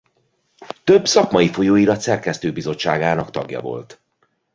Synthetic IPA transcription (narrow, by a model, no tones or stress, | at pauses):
t̪ø̞bsɒkmɒifo̞joːiɾɒt̪sɛrkɛst̪øːbizo̞t͡ʃːaːɡaːnɒkt̪ɒɡjɒ̰vo̞̰lt̪